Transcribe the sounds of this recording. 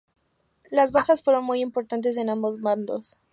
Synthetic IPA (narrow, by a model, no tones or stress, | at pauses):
lazβaxasfwe̞ɾo̞nmujimpo̞ɾt̪ant̪̬e̞s̬e̞nãmbo̞zmãnd̪o̞s